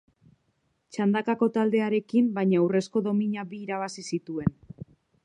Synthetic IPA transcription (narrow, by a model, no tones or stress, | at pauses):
t͡ʃand̪akako̞t̪ald̪e̞aɾe̞kimbajɲawre̞sko̞ðo̞miɲaβiːɾaβ̞asisit̪ue̞n